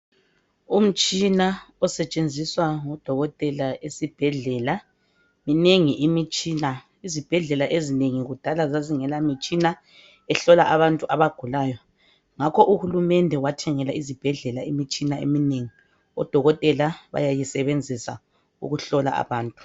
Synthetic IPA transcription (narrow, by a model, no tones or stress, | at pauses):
um̩t͡ʃʼinaɔsɛt͡ʃʼend͡zʱiswaŋɔd̥ʱɔɣɔtʼɛlaesib̥ʱɛɮɛla | mineŋiʔimit͡ʃʼina | izib̥ʱɛɮɛlaʔezineŋiɣud̥ʱalazaziŋɛlamit͡ʃʼina | ɛɬɔlaʔaβantʼuʔaβaɡ̥ʱulaːjɔ | ŋakʰɔʔuhulumɛndʱɛwatʰɛŋɛlaizib̥ʱɛɮɛlaimit͡ʃʼinaḛmineŋi | ɔ̰d̥ʱɔɣɔtʼɛlaβa̰jajisɛβend͡zʱisa̰ | ṵɣuɬɔla̰ʔa̰βaːntʼu̥